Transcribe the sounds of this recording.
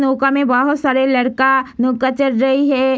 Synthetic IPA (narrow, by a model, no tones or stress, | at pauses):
noːkamẽbɐɦʊt̪saːɾelɐɾkanʊːkət͡ʃəɾɾɐɦiɦɛː